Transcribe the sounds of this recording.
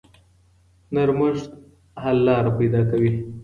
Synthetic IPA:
naɾmaʂt̪ | hallːɑɾapajd̪ɑkawi

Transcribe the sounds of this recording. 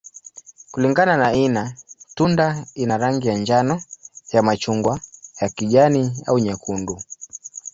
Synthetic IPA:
kuliŋɡananainatundainaɾaŋɡijaɲd͡ʒanɔjamat͡ʃuŋɡwajakiʄaniauɲɛkundu

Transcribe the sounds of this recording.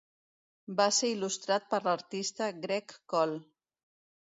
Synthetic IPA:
baseilust̪ɾat̪̚pəɾləɾt̪ist̪əɡɾɛkːɔl

